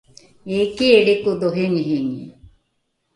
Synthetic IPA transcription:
ekieɖekud̪oɦeŋɦiŋe

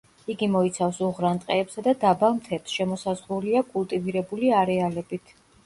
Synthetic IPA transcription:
iɡimɔit̪sʰafsuʁɾant̪ʼqʼɛːpsad̪ad̪abalˠnt̪ʰɛpsʃɛmɔsazʁɾuliakʼulˠt̪ʼiviɾɛbuliaɾɛalɛbit̪ʰ

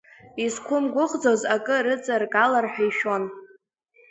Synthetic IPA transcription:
izkʷʰʊmɡʷʊχʼd͡zozakʼɨrɨt͡sʼarkʼalarħᶣaiʃo̞n

